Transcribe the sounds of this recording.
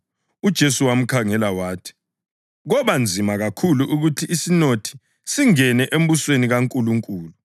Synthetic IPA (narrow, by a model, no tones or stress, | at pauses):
ud̥ʒ̥ʱesuwam̩kʰaŋɛlawaːtʰi̥ | ɣɔβand͡zʱimaɣakʰuluʔuɣutʰiisinotʰi̥ | siŋɛnɛʔem̩βusweniɣaŋkʼuluŋkʼuːlu